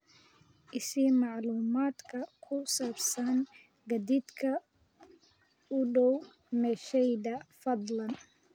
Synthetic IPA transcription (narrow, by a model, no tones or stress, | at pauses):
ʔɪsimɑʕluːmaːd̪kʰɐkʰʊsaːbsɐn | ɡɐd̪id̪kʰɐ | ʊɖɔw | mɛːʃɛjðɐfɐd̪lɐn